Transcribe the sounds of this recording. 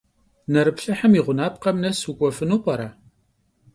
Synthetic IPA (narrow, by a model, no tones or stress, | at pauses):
nɐɾɨpɬɐħəmiʁʷʊnaːp̚qɐmnɐsukʷʼɔfɨnoːpʼɐɾa